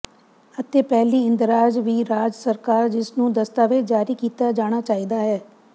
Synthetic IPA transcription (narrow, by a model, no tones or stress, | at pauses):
ət̪eːpɛːliːɪ̃nd̪ɾaːd͡ʒʋiːɾaːd͡ʒsəɾkaːɾd͡ʒɪsnũːd̪əst̪aːʋed͡ʒaːɾiːkiːt̪aːd͡ʒaːɽ̃aːt͡ʃaːiːd̪aːɦɛː